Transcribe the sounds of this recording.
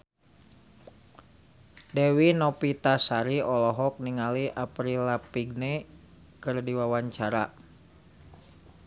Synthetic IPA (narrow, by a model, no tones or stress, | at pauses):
dɛwinɔpit̪asaɾiɔlɔɦɔk̚niŋaliʔapɾilapiɡ̚ne | kɨrdiwawaɲt͡ʃaɾa